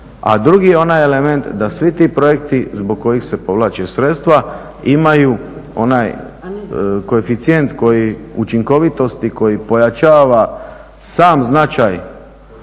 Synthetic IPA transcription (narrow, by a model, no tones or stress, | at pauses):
a̰d̪ɾuɡijeo̞naje̞le̞me̞nt̪d̪asʋit̪ipɾo̞je̞kt̪izbo̞ɡ̚kːo̞jixse̞po̞ʋlˠaːt͡ʃesɾe̞t̪st̪ʋa | imajuo̞̰naj | ko̞efit̪sije̞nt̪ko̞jiut͡ʃiŋko̞ʋit̪o̞st̪iko̞jipo̞jat͡ʃaːʋa | saːmznat͡ʃaj